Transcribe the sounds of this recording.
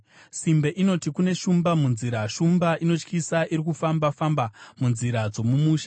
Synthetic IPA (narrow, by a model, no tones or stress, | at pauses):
simbaʔino̞tikune̞ʃumbamunziɾaʃumbaʔino̞t͡ʃkisaʔiɾikufambafambamunziɾad͡zo̞mumuːʃa